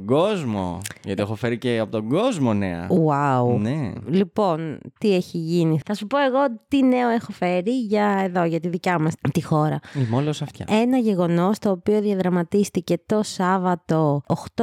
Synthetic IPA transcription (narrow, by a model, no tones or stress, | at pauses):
ɡo̞zmo̞̰ʝɐt̪iexofe̞ɾiceɐpot̪oɡo̞zmo̞nḛɐ̰aunelipo̞nt̪ieçiʝiniθɐsupo̞e̞ɣo̞t̪ine̞o̞exo̞fe̞ɾiʝɐeðo̞ʝɐt̪iðicɐmɐst̪ixo̞ɾɐimolosɐft̪çɐ̰e̞nɐʝe̞ɣo̞no̞st̪oːpio̞ðjɐðɾɐmɐt̪ist̪ice̞t̪o̞sɐvɐt̪oːxt̪o